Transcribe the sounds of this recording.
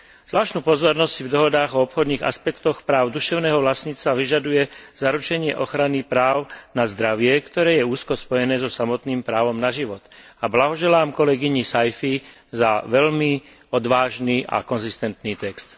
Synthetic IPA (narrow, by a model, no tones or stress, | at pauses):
zlaːʃt̪nuːpɔzɔɾnɔssivd̪ɔɦɔd̪aːɣɔɔpxɔd̪niːɣa̰spɛkt̪ɔxpɾaːʊd̪uʃɛʊnɛːɦɔʋlasɲiːt͡st̪ʋaʋiʒad̪ujɛz̥aɾut͡ʃɛɲɪɛʔɔxɾanipɾaːʊnazd̪ɾaʋɪɛkt̪ɔɾɛːjɛuːskɔspɔjɛnɛːzɔsamɔt̪niːmpɾaːʋɔmnaʒiʋɔt̪ablaɦɔʒɛlaːmkɔlɛɡiɲisajfi | zaʋɛʎmi | ɔd̪ʋaːʒniːʔa̰kɔnzist̪ɛnt̪niːt̪ɛkst̪